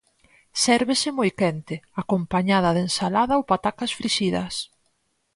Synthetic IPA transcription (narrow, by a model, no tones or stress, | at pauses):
sɛɾβɪsɪmojkɛnt̪ɪakompaɲað̞ɐðensalaðɐowpat̪akɐsfɾiʃiðɐ̰s